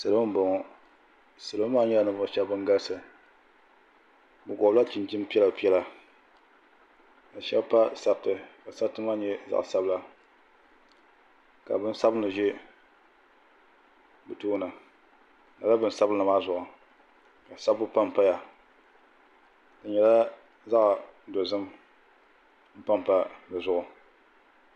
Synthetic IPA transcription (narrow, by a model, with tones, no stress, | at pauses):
sa˨lm̩˦bɔ˨ŋɔ˨ | sɨ˨lo˦maː˦ɲɛ˦a˨nɨ˦bʊ˨ʃɛ˦bbɨ˦ŋ˦ɡa˦lsɨ˨ | bɨ˨ɡɔ˨bla˦t͡ʃi˨nt͡ʃɪ˦m˦pi˦ɛ˦la˨pi˦ɛ˦la˨ | ka˨ʃɛ˦bpa˦sa˦btɨ˨ka˨sa˦tɨ˦ma˦ɲɛ˦za̰˨ʔsa˦bla˦ | ka̰˨bɨ˦n˦sa˦bɨ˦nɨ˨ʒe˦ | bɨ˨toː˦na˨ | na˨la˦bɨ˦n˦sa˦bna˨maː˦zʊ˨ʔʊ˨ | ka˨sa˦bʊ˦pa˦m˨pa˦ja˨ | ka˨ɲɛ˨la˦ | za˦ʔdo˨zɨ˦m | m̩˦pa˦m˨pa˦bɨ˨zʊ˦˨ʔʊ˨